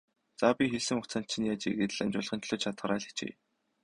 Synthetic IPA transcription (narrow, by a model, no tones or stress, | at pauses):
t͡sapʲixeɮsɘ̆ŋʊt͡săːnt̪t͡ɕʰːĭnjaːt͡ɕḛɣɘ̆t̪ɮamt͡ɕʊɮχə̆nt͡ɕɮʊ̆ːt͡ɕʰat̪χə̆ɾaːɮi̥t͡ɕḛː